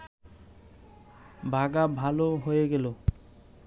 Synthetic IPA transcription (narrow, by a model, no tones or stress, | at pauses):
bʱaɡabʱaloɦojeɡelo